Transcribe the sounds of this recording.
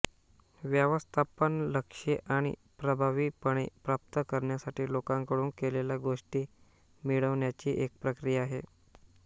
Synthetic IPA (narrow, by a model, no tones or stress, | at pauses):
ʋjəʋəst̪ʰapənləkʂeʔaɽ̃ḭ | pɾəbʱaʋiːpəɽ̃ḛpɾap̚t̪əkəɾɳjasaʈʰiːlokãŋkəɽuːnkelelaɡoʂʈiː | miɭəʋɳjat͡ɕiːʔek̚pɾəkɾijaːɦe